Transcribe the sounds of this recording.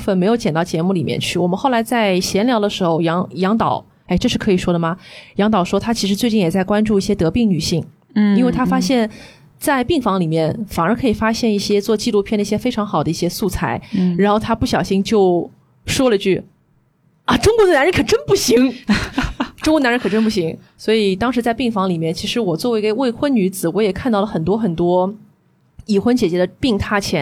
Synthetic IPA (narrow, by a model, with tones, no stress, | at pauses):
fə˥˩nme˧˥ɪjo˧˥ʊt͡ɕjɛ˨˩nt̪ɑ˥˩ʊt͡ɕjɛ˧˥mu˥˩li˨˩mjɛ̰˥˧nt͡ɕʰy˥˩wɔ˨˩mə˦nxo˥˩ʊla˧˥ɪt͡sa˥˩ɪɕjɛ˧˥nljɑ˧˥ʊd̪ə˧ʂɻ̩˧˥xo˥˧ʊjɑ˧˥ŋjɑ˧˥ŋt̪ɑ˨˩˦ʊ | e˥˧ɪʈ͡ʂɤ˥˧ʂɻ̩˥˩kʰɤ˧˥i˨˩ʂwɔ˥d̪ə˨˩mɐ˩jɑ˧˥ŋt̪̬ɑ˨˩ʊʂwɔ˥t̪ʰa˥t͡ɕʰi˧˥ʂɻ̩˧˥t͡swe˥˧ɪt͡ɕi˥˩jɛ˨˩t͡sa˥˩ɪkwa˥nʈ͡ʂu˥˧i˥˩ɕjɛ˥t̪ɤ˧˥pi˥˩ŋny˨˩ɕi˥˩ŋ | i˥nwe˥˩ɪt̪ʰa˥fa˥ɕjɛ˥˧n | t͡sa˥˧ɪpi˥˩ŋfɑ˧˥ŋli˨˩mjɛ˥˩nfa˨˩nə˞˧˥kʰɤ˧˥i˨˩fa˥ɕjɛ˥˧ni˥˩ɕjɛ˥t͡swɔ˥˧t͡ɕi˥˧lu˥˧pʰjɛ˥˩nd̪ə˧i˥˩ɕjɛ˥fe˥ɪʈ͡ʂʰɑ˧˥ŋxɑ˨˩ʊd̪ə˦i˥˩ɕjɛ˥su˥˩t͡sʰa˧˥˩ɪɻa˧˥nxo˥˩ʊt̪ʰa˥pu˥˩ɕ̬jɑ˨˩ʊɕi˥ŋt͡ɕjo˥˧ʊ | ʂwɔ˥lə˨t͡ɕy˥˩ | ɐ˧˩ʈ͡ʂʊ˥ŋkwɔ˧˥d̪ə˧na˧˥ɻə˧˥kʰɤ˨˩ʈ͡ʂə˥npu˥˩ɕi˧˥ŋ | ʈ͡ʂʊ˥ŋkɔ˧˥n˧˥ə˧˥ŋkʰʈ͡ʂə˥np̬u˥˩ɕ̬i˧˥ŋ | swɔ˧˥i˨˩t̪ɑ˥ŋʂɻ̩˧˥t͡sa˥˧ɪpi˥˩ŋfɑ˧˥ŋli˨˩mjɛ˥˩nt͡ɕʰi˧˥ʂɻ̩˧˥wɔ˨˩t͡swɔ˥˩we˥ɪ˧˥˧we˥˩ɪxwə˥nny˧˥t͡sɹ̩˨˧˩wɔ˧˥jɛ˨˩kʰa˥˧t̪ɑ˥˩ʊlə˩xə˨˩nt̪̬wɔ˥xə˨˩nt̪wɔ˥ | i˨˩xwə˥nt͡ɕjɛ˨˩t͡ɕɥɛ˧˥d̪ə˧pi˥˧ŋt̪ʰa˥˩t͡ɕʰjɛ˧˥n